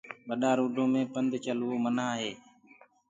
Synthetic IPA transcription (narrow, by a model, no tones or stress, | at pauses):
ɓəɗaːɾuːɖʱõːmẽːpənd̪t͡ʃəlʋoːmənaːɦeː